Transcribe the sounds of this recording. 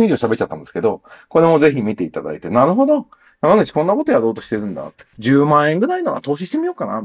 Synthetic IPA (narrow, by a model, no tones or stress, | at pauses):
iʑo̞ːɕabe̞t͡ɕːt͡ɕat̪ːãnd̪eske̞d̪o̞ko̞ɾe̞mo̞ze̞çimʲit̪e̞it̪ad̪a̰it̪e̞naɾɯ̟ɦo̞d̪o̞ | jamanɯt͡ɕi̥kõ̞nːako̞t̪ojaɾo̞ːt̪o̞ɕi̥t̪e̞ɾɯ̟̃nd̪a̰t̪d͡ʑɨːmãːɰ̃ẽŋɡɯ̟ɾainoβa̰t̪o̞ːɕ̬iɕi̥t̪e̞mʲijo̞ːkana̰